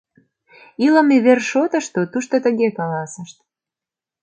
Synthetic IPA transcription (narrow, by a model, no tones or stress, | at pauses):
iləmeβerʃot̪ə̆ʃt̪ot̪uʃt̪ot̪əɣekɑlɑsəʃt̪̚